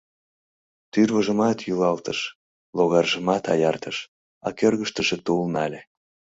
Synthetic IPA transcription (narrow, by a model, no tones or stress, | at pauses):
t̪yrβəʒəmɑt̪jylɑlt̪əʃ | loɣɑrʒəmɑt̪ɑjɑrt̪əʃ | ɑkørɣəʃt̪əʒet̪ulnɑlʲe